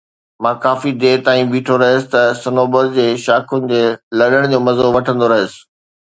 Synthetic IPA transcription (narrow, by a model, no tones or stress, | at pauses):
mãːkaːfid̪eːt̪aːĩbiːʈʰoɾɐɦəsɪ̥t̪ɐsɐnoːbəɾd͡ʑeːʃaːkʰʊnɪ̆d͡ʑeːlɐɗəɽ̃d͡ʑoːmɐzoʋɐʈʰə̃nd̪oɾɐɦəsɪ̥̆